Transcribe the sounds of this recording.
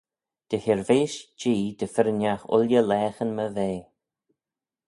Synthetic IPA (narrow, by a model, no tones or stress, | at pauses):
d̪̥əhɪɹveːʃd͡ʒiːd̪əfɪɾənjaxʊ̰ljəlɛːxənməveː